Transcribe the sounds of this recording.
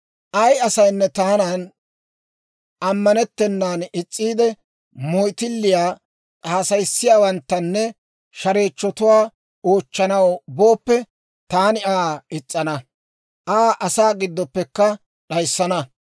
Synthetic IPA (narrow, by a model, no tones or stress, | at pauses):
ʔɐjɐsɐjnːɛt̪aːnaːn | ʔɐmːɐnɛt̪ːɛnːaːnɪt͡sʼːiːd̪ɛ | mɔjt̪ɪlːɪjaː | t͡sʼaːsɐjsːɪjaːwɐnt̪ːɐnːɛ | ʃɐɾe̞ːt͡ʃːɔt̪ʊwaː | oːt͡ʃːɐnɐwbo̞ːpːɛ | t̪aːnɪaːɪt͡sʼːɐnɐ | ʔaːʔɐsaːɡɪd̪ːɔpːɛkːɐ | ɗɐjsːɐnɐ